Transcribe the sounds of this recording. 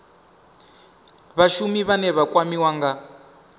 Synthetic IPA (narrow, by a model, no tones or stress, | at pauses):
βaʃumiβanɛβakwamiwaŋɡa